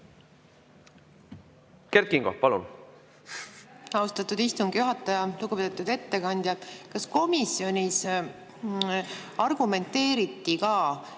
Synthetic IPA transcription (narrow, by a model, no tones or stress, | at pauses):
kert̪̚kiŋɡ̥opɑlṵn | ɑust̪ɑt̪ːud̪ist̪uŋɡ̥juɦɑt̪ːˑɑjɑluɡuped̪et̪ːˑud̪e̞t̪ːe̞kɑnʲd̪̥ʲjɑd̪kɑsko̞misjo̞nʲis | ɑrɡ̥ume̞nt̪ːe̞ːɾit̪ːikɑː